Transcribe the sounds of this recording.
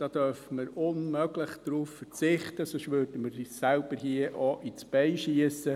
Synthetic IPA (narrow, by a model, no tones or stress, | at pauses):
d̥ɑːd̥œrfəməɾʊnmœɡləχd̥ɾuːffəɾt͡sɪχt̪əsoʃʋøɾdəməɾsælb̥əɾɦiəʔɔʔit͡sb̥ɛɪʃiəsə